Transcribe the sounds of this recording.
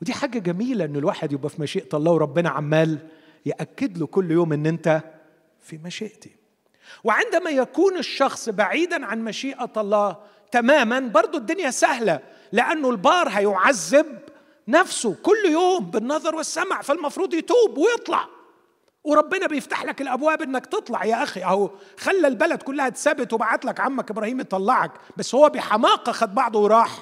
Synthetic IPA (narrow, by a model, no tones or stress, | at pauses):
wɪd̪iːħaːɡæɡæmiːlæʔɪnːelwaːħed̪jobʔæfimæʃiːʔt̪ɑlˤːɑːwɾˤɑbːɪnæ̰ʕa̰mːæːl | jeʔækːɪd̪lokʊlːjoːmʔenːʔent̪æ | fimæʃeːʔt̪i̥ | wɪʕend̪æmæjækuːnɪʃːɑxsˤbaʕiːd̪ænʕanmæʃiːʔæɑlˤːɑː | t̪æmæːmænbɑɾˤd̪ˤod̪ːʊnjæsæhlæ | lɪʔænːolbɑːɾˤɦæjoʕazːɪb̚ | nafsʊkʊlːjoːmbɪnːɑðˤɑɾˤwɪsːamʕfalmɑfɾuːd̪ˤjɪt̪uːbwɪjɨt̪ˤlɑ̰ʕ | wɪɾˤɑbːɪnabjɪft̪aħlakɪlʔabwaːbʔɪnːakt̪ɨt̪ˤlɑʕjaʔaxiʔaxalːalbalad̪kʊlːahat̪sabɪt̪wɪbaʕat̪lakʕamːakʔɪbɾˤɑːhiːmjit̪ˤɑlːɑʕɑkbasːhʊwːæbɪħɑmɑːqɑxad̪̚bɑʕd̪ˤuwɾˤɑːħ